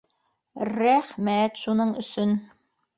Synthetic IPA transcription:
ɾæχmæt̪ʃunɤɴɵ̆sɵn

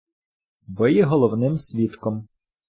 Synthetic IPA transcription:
bɪjɛɦɔlˠɔwnɪmsʲʋʲit̪kɔm

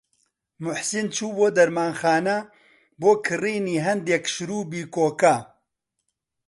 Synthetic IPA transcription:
mʊħsint͡ʃʰuːboːd̪ɐɾmaːnxaːnɐ | boːkʰɨriːniːɦɐnd̪ɛkʃɾuːbiːkoːkɐ

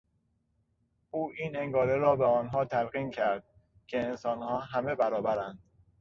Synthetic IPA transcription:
ʔuːʔiːneŋɡɒːɾeɾɒːbeɒːnɦɒːt̪ʰælɣiːncʰæɾd̪̥̚ | cʰeensɒːnhɒːɦæme̞bæɾɒːbæɾænd̪̥

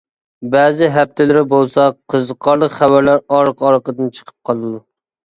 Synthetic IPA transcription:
bæːzɪɦæp̚t̪ʰɪlɪɾɪbolˠsɑqʰəzəqʰɑɾlˠəqχævæɾlæɾɑɾqʰɑɾqəd̪ɨnt͡ʃʰə̥qʰə̥p̚qʰɑlˠɨd̪u

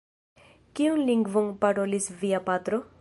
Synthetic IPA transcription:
kionliŋɡvonpaɾo̞lisviapat̪ɾo

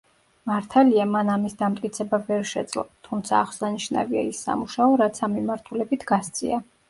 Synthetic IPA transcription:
maɾt̪ʰaliamanamisd̪amt̪ʼkʼit̪sʰɛbavɛɾʃɛ̰d̪zlˠɔ̰t̪ʰumt̪sʰa̰ːχwsaniʃna̰via̰isːa̰muʃaɔɾat̪sʰamːimaɾt̪ʰulɛbit̪ʰɡast̪sʼḭa

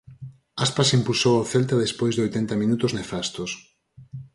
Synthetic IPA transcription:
aspasimpulsowawθelt̪aðespojzðojt̪ent̪amĩnut̪ʊznefast̪os

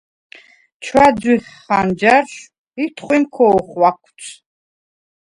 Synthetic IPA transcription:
t͡ʃʰwad͡zwiχːand͡ʒaɾʃ | it̪ʰχʷwimkʰɔɔχwakʷʰt͡sʰʼ

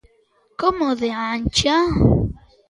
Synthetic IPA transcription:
komoðeant͡ʃa

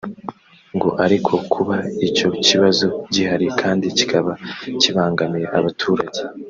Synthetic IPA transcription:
ŋɡo̞ʔaɾikʰo̞kʰuβaico̞ciβazo̞ɟihaɾikʰaːndici̥kʰaβaciβaːŋɡamiɾeʔaβatʰuːɾaɟe

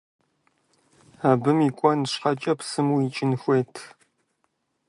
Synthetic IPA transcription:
abɨmiːkʷʼɔnɕqɐt͡ʃʼɐpsɨmuit͡ʃʼɪnxʷeːtʰ

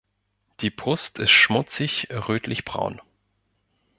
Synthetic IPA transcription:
d̥iːpʁʊstɪstʃmʊt͡sɪçʁøːtʰlɪçb̥ʁa̰ʊn

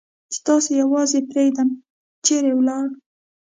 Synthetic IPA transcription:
t͡ʃe̥t̪ɑsojawɑzepɾeɡd̪am | t͡ʃeɾewlɑɽ

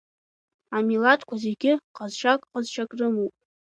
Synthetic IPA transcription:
amilatʰkʷʰazeɡʲɪqazʃakʼqəzʃʰakʼrɨmupʼ

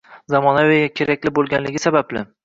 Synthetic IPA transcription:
zamɒnawejɡʲakʲʰe̞ɾakʲlɪbolˠɡʲanlɪɡʲɪsabablɪ

